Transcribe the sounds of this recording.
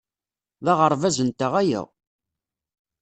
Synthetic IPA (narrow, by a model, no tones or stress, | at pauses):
ðɑʁəɾˤvæzənt̪əʁæjæ̰ʁ